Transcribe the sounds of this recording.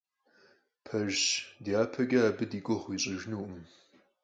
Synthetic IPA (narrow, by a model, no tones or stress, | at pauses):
pʰɐʒdiaːpʰɐɡʲɐabɨdiːɡʷɔχʷiːɕʼɪʒnuːʔɨm